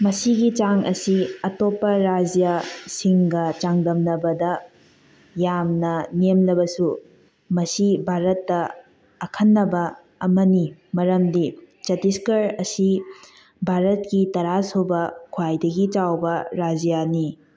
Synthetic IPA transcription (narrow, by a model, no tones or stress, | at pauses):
mɐsiɡit͡ʃaŋɐsiɐtopːɐɾad͡ʒijasiŋɡɐt͡ʃaŋdɐmnɐbɐdɐ | jamnɐnemlɐbɐsu | mɐsibʱaɾɐtːɐ | ɐkʰɐnːɐbɐ | ɐmɐnimɐɾɐmdi | t͡ʃɐtiskɐɾɐsi | bʱaɾɐtkitɐɾasobɐkʰwajdɐɡit͡ʃawbɐɾad͡ʒijani